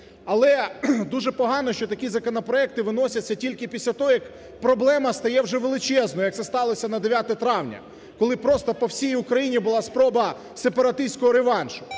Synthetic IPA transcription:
ɐlˠɛd̪uʒɛpɔɦɑnɔʃt͡ʃɔt̪ɐkʲizɐkɔnɔpɾɔɛk̚t̪ɪʋɪnɔsʲɐt͡sʲːɐtʲilʲkɪpʲisʲlʲɐt̪ɔɦɔjɐk | pɾɔblˠɛmɐst̪ɐjɛwʒɛʋelˠɪt͡ʃɛznɔjɐk̚t̪sɛst̪ɑlˠɔsʲɐnɐd̪eʋʲjat̪ɛt̪ɾɑwnʲɐ̰ | kɔlˠɪpɾɔst̪ɔpɔwsʲijʊkɾɐjinʲibʊlˠɑspɾɔbɐ | sepɐɾɐt̪ɪsʲkɔɦɔɾeʋɑnʃʊ

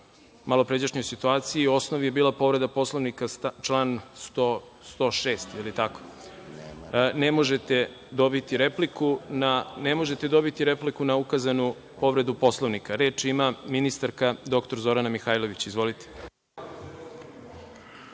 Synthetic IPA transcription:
malˠo̞pɾed͡ʑaʃɲojsit̪uaːt̪sijio̞snoʋije̞biːlˠapo̞ʋɾe̞d̪apo̞slˠoʋnikat͡ʃlˠaːnst̪o | st̪o̞ʃeːst̪jelit̪ako̥ | nemo̞ʒe̞t̪e̞ | d̪o̞bit̪iɾe̞plikʰunanemo̞ʒet̪e̞d̪o̞bit̪iɾe̞plikunaukazanu | po̞ʋɾe̞d̪upo̞slˠoʋnikaɾe̞ːt͡ʃimaminist̪aɾkad̪o̞kt̪o̞ɾzo̞ɾanamixaːjlo̞ʋit͡ɕizʋo̞lit̪e̥

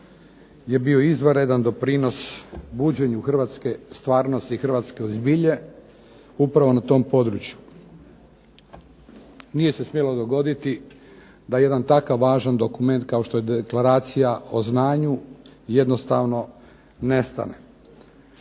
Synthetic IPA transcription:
je̞bio̞izʋəɾe̞d̪and̪o̞pɾiːno̞sbuːd͡ʑe̞ɲuxr̩ʋat̪ske̞st̪ʋaːɾno̞st̪ixrʋat̪ske̞ozbiʎe̞ | upɾaʋo̞nat̪o̞ːmpo̞d̪ɾut͡ɕju | nije̞se̞smjelo̞d̪o̞ɡo̞d̪it̪i | d̪ajejed̪ant̪akaʋːaːʒand̪o̞kume̞nt̪̚kaoʃt̪o̞jed̪eklaɾaːt̪sijao̞znaːɲuje̞d̪no̞st̪aʋno̞ | ne̞st̪a̰ne

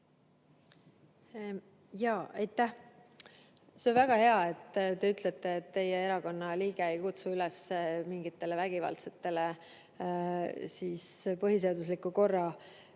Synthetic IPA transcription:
jɑːɑjt̪ːˑæh | seo̞nvæɡ̥ɑhe̞ɑe̞t̪ːt̪e̞yt̪ˑlet̪ːˑe̞ːt̪ːe̞jee̞ɾɑko̞nːɑliːɡ̥eejkut̪suylɛsmiŋɡit̪ːe̞levæɡ̥ivɑ̰lt̪se̥t̪ːe̞le | siːspɤɦis̬e̞ɑd̪us̬likːuko̞rːɑ

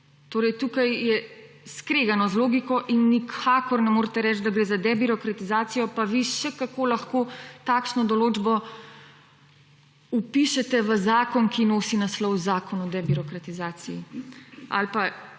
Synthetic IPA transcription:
t̪oːɾɛjt̪ukajjɛ | skɾeːɡanɔzloːɡikɔʔinːikʰaːkɔɾnɛmoːɾt̪ɛɾɛːt͡ʃd̪aɡɾeːzad̪ɛbiɾɔkɾat̪izaːt̪sijɔpaʋiʃɛkakoːlaxkot̪aːkʃnɔd̪ɔloːd͡ʒbɔ | upiʃɛt̪ɛʋəzaːkɔnkinoːsinaslɔwzaːkɔnɔd̪ɛbiɾɔkɾat̪izaːsiji | a̰lpa

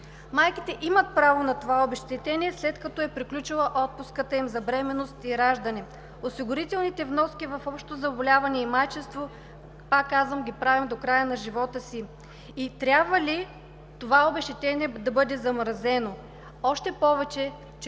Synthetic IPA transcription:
majkit̪ɛʔimət̪̚pɾavonɐt̪ovaobɛʃt̪ɛt̪ɛniɛslɛt̪kɐt̪ɔɛpɾiklʲut͡ʃilˠɐʔɔt̪̚pʊskət̪əimzɐbɾɛmɛnost̪iɾaʒd̪ɐnɛ | osiɡʊɾit̪ɛlˠnit̪ɛvnɔskʲivɐfɔpʃt̪ozɐbolʲavɐnɛimajt͡ʃɛst̪vo | pakːazvəmɡʲipɾavimd̪okɾajənɐʒivɔt̪əsiː | t̪ɾʲabvəli | t̪ovaobɛʃt̪ɛt̪ɛniɛd̪ɐbɤd̪ɛzɐmɾzɛno | ɔʃt̪ɛpɔvɛt͡ʃɛ | t͡ʃ

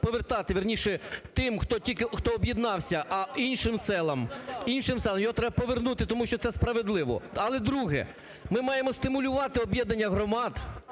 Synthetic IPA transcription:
pɔʋert̪ɑt̪ɪʋʲirnʲiʃɛt̪ɪmxt̪ɔtʲilʲkɪxt̪ɔːbjid̪nɑwsʲɐʔɐinʃɪmsɛlˠɐminʃɪmsɛlˠɐmjɔɦɔt̪ɾɛbɐpɔʋernut̪ɪt̪ɔmuʃt͡ʃɔt̪sɛspɾɐʋed̪lˠɪʋɔ̰ɐlˠɛd̪ɾuɦɛ̰ | mɪmɑjemɔst̪ɪmʊlʲʊʋɑt̪ɪɔbjɛd̪nɐnʲːɐɦɾɔmɑd̪

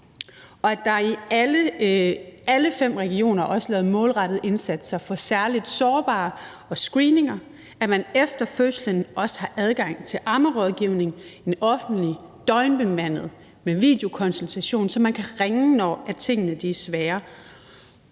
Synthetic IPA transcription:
ʔɒ̽æd̥ɑ̈ilə | æləfem̰ʁɛɡ̥io̝̰ːnɐʔɒ̽səlɛ̰ːʊmɔ̽ːlʁɑ̈ɾ̥ð̞̩ˠe̝nsæd̥sɑfɒ̽sæɐlid̥sɒːb̥ɑ̰̈ː | ɒ̽sɡ̥ʁiːne̝ŋɐ | æmænefd̥ɐføslənɒ̽sə̥hɑ̈ʔæð̞ˠɡ̥ɑ̈ŋ̰t͡sʰe̝lʔɑ̈məʁɒ̽ð̞ˠɡ̥iːʊne̝ŋe̝nɒ̽fn̩d̥li | d̥ɒ̽ɪnb̥emæn̰ð̩ˠ | meʋḭːd̥ejo̝kʰɒ̽nsent͡sʰæɕo̝̰ːnsɒ̽mːænkʰæʁeŋnɒ̰ːæt͡sʰe̝ŋ̰ənəd̥esʋæːɐ

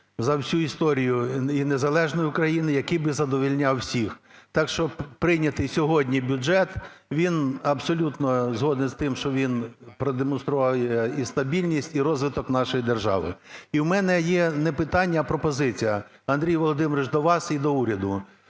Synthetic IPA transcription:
zɐwsʲuist̪ɔɾʲijʊinezɐlˠɛʒnɔjʊkɾɐjinɪjɐkijbɪzɐd̪ɔʋʲilʲnʲawsʲixt̪ɑkʃt͡ʃɔpɾɪnʲɐt̪ɪjsʲɔɦɔdʲnʲibʲʊɛt̪ʋʲinɐbsɔlʲut̪nɔzɦɔd̪nɛzt̪ɪmʃt͡ʃɔʋʲinpɾɔd̪emɔnst̪ɾʊʋɑwjɛist̪ɐbʲilʲnʲisʲtʲiɾɔzʋɪt̪ɔknɑʃɔjid̪erʒɑ̰ʋɪ̰iwmɛnɛjɛnɛpɪt̪ɑnʲːɐːpɾɔpɔzɪt͡sʲijɐ | ɐnd̪ɾʲijʋɔlˠɔd̪ɪmɾɪt͡ʃd̪ɔʋɑsid̪ɔuɾʲɐd̪ʊ

